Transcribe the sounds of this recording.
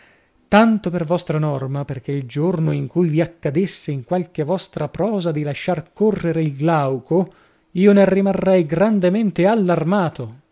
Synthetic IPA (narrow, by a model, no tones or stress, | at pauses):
t̪ant̪opervɔst̪ɾanɔrmaperk̟eild͡ʒornoiŋkujviakːad̪esːeiŋkwalkevɔst̪ɾapɾɔːzad̪ilaʃːarkorːeɾeilɡlawko | iːonerimarːɛjɡɾand̪ement̪ealːarmaːt̪o